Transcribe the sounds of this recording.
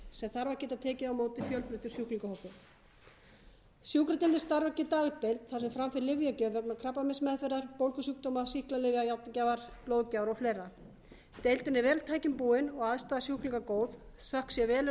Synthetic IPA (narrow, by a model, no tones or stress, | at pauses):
sɛmθaɾvaɾcɛːt̪at̪ʰɛːcɪawmoːwt̪ɪfjœlpɾʏt̪ʏɾ̥sjuhkliŋkahɔhkːʏ | sjuhkɾɪt̪ɪnt̪ɪ̥st̪aɾvacɪt̪aːɣt̪ejlt̪θḁsɛmfɾamfɪɾlɪvjʏcɛːvœknakʰɾaplamɪsmɛðfɛɾðaɾ̥powlkʏsuk̚t̪ɔːmasihklalɪvɪajawt̪nɪcavaɾ̥ploːðcawɾɔflejrːa | t̪ejlt̪ɪnɛɾvɛːlt̪ʰaːjcɪmpuːɪnɔɣaðst̪aːðasjuhkliŋkakoːwðsahksjɛvɛːl